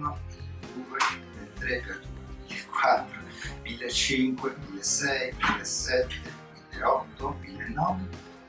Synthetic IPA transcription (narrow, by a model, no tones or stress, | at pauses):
nomilːed̪uːemilːet̪ːɾekɛmilːekʰwat̪ːɾo | milːet͡ʃːiŋkwemilːesɛjmilːesːɛt̪ʰːemilːeɔt̪ːomilːenːɔve